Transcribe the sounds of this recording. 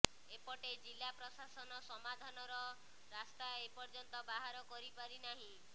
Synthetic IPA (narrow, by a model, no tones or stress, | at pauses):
epɔʈed͡ʒilːapɾɔsasɔnɔsɔmad̪ʱanɔɾɔ | ɾast̪aepɔɾd͡ʒɔnt̪ɔbaɦaɾɔkɔɾipaɾinaɦĩ